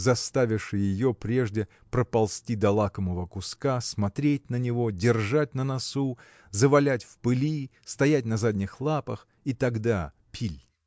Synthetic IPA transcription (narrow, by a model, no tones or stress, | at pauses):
zɐst̪avʲɪʂɨjɪjopɾʲe̞ʐdʲɪ | pɾəpɐlˠsʲtʲid̪ɐlˠakəməvəkʊskasmɐt̪ɾʲetʲnənʲɪvo̞dʲɪrʐat̚ʲnənɐsu | zəvɐlʲætʲfpɨlʲist̪ɐjætʲnɐzadʲnʲɪxlˠapəx | it̪ɐɡd̪a | pʲʰilʲ